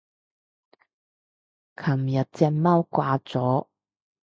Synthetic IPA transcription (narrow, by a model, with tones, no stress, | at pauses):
kʰɐ˨˩mjɐ˨t̚t͡sɛː˧k̚mɐ˥wkwaː˧t͡sɔː˨˥˦